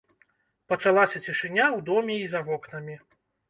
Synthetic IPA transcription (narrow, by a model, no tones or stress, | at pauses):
pɐt͡ʂalˠasʲɐt͡sʲiʂɨnʲawd̪ɔmʲɛizɐvɔknɐmʲi